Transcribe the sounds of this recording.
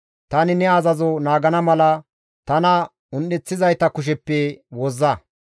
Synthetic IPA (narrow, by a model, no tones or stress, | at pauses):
t̪ɐnɪnɛɐzɐzɔnaːɡɐnɐmɐlɐ | t̪ɐnɐ | ʊnːɛt͡sːɪzɐjt̪ɐkʊʃ̬ɛpːɛwɔzːɐ